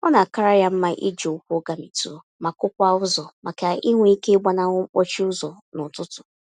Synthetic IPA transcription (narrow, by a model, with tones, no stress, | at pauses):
ɔ˦na˨ka˦ɾa˦ja˦m̩˦ma˦ʔḭ˦d͡ʒo˨ʊ˦kʷo˦ɡa˦mi˨tu˦˨ma˨kʊ˦kʷa˦ʊ˦zɔ˨ma˨ka˨i˦ŋʷ˦i˦ke˦ɡ͡ba˦na˦o˦t͡ʃi˦ʊ˦zɔ˨ | nʊ˨tʊ˦tʊ̥˨